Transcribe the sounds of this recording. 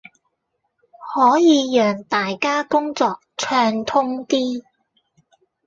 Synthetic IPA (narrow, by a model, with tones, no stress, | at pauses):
hɔː˨˥jiː˨˧jœː˨˩ŋt̪aː˨jkaː˥kʊ˥ŋt͡sɔː˧k̚t͡ʃʰœː˧ŋt̪ʰʊ˥ŋt̪iː˥